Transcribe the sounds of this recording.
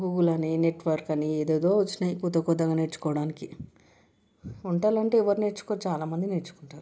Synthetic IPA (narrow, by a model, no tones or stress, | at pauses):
ɡuːɡulɐnine̞ʈʋɐɾkɐnied̪eːd̪oːut͡ʃːinɐkut̪ɐkɔd̪ːɐɡaːnet͡ʃːu̥kɔːʋɐɽaːniki | uɳʈaːlɐɳʈeɛʋɐɾneʈt͡ʃːu̥kot͡ʃaːlaːmɐnd̪inet͡ʃːu̥kuɳʈaːɾu